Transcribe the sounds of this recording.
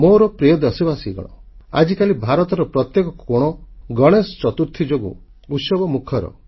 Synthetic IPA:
moɾɔpɾijod̪ɔsibasiɡɔ̰ɽ̃ɔ̰a̰d͡ʒikalibʱaɾɔt̪ɔɾɔpɾɔt̪jekɔkɔɽ̃ɔɡɔɽ̃esɔ̥t͡ʃɔt̪uɾt̪ʰid͡ʒoɡṵ | ut̪sɔbɔmukʰɔɾɔ̰

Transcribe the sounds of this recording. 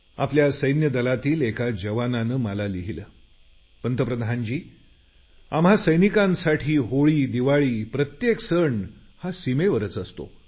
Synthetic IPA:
a̰pljasəjnjəd̪əlat̪iːlekad͡ʑəʋananəːməlaliɦilə | pənt̪əpɾəd̪ʱaɲt͡ɕiː | amɦasəjnikãnsaʈʰiːɦoɭiːd̪iʋaɭiːpɾət̪jeksəɳ | hasimeʋəɾət͡səst̪o̰

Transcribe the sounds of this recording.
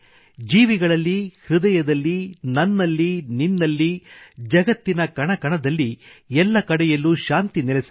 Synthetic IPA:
d͡ʒiːʋiɡɐɭɐlːihɾud̪ɐjɐd̪ɐlːinɐnːɐlːininːɐlːid͡ʒɐɡɐt̪ːinɐkɐɳɐkɐɳɐd̪ɐlːiɛlːɐkɐɽɛjɐlːuʃaːnt̪inilɛsɐ

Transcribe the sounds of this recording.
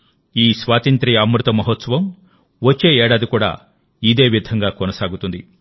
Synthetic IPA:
iːsʋaːt̪ɐnt̪ɾiɐmɾut̪ɐmɐɦot̪sɐʋɐm | ʋɐt͡ʃːe̞ːeːɽaːd̪ikuːɽa̰ː | id̪e̞ːʋid̪ʱɐŋɡaːkɔnɐsaːɡut̪und̪i

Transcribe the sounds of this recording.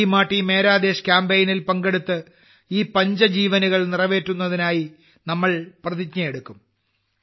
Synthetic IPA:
maːʈːime̞ːɾaːd̪e̞ːɕkʲaːmbejnilpɐŋɡe̞ɽut̪ːɨ | iːpɐɲd͡ʑɐd͡ʑiːʋɐnuɣɐɭnirɐʋe̞ːtːunːɐðinaːji | nɐmːɐɭprɐðiɡɲɐjeɽukːum

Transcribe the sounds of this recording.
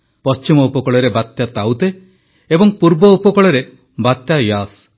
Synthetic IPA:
pɔst͡ʃimɔupɔkɔɭɔɾebat̪jat̪awt̪e | ebɔŋpuɾbɔupɔkɔɭɔɾe | bat̪jajas

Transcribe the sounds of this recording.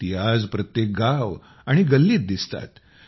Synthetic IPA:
iɦad͡zpɾət̪jek̚ɡaʋ | aɽ̃iɡəlːiːt̪̚d̪ist̪a̰t̪

